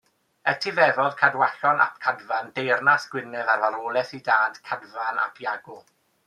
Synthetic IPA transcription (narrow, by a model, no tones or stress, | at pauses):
ɛtʰivɛvɔðkʰadwaɬɔnʔa̰p̚ʰkʰadvandejrnasɡ̥wɪnɛðarvaɾoːlˠɛθidaːd̥kʰadvana̰pʰjaɡʊlˠ